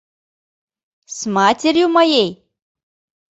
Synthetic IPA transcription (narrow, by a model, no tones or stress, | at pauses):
smaːt̪ʲeɾʲjumɐjej